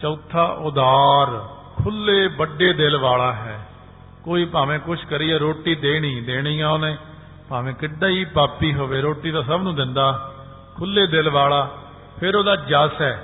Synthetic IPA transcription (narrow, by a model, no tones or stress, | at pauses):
t͡ʃəːt̪ʰːaːʔʊd̪aːɾkʰʊlːeːbəɖːeːd̪ɪlʋaːlaːɦɛː | koːiːpaːʋẽːkʊt͡ʃʰkəɾiːaːɾoːʈːiːd̪eːɽ̃ĩːd̪eːɽ̃iːãːonẽː | paːʋẽːkɪɖːaːiːpaːpiːɦoːʋeːɾoːʈiːd̪aːsəbnũːd̪ɪnd̪aː | kʰʊlːeːd̪ɪlʋaːlaː | pʰɪɾoːd̪aːd͡ʒəsɦɛː